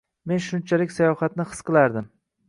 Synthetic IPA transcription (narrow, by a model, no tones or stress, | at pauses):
me̞nʃʊnt͡ʃʰalɪkʲsajɒfat̪̚nɪhɨ̥sqɨlˠaɾd̪ɪm